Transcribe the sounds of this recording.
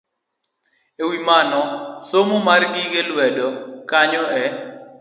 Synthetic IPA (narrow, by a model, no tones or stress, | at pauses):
ewimanɔsomomarɡɪɡelwɛdɔkaɲɔɛ